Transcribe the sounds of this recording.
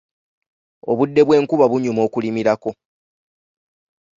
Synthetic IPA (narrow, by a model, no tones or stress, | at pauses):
o̞̰βudːe̞βwe̞ːŋkuβaβuɲumo̞ːkulimiɾako̞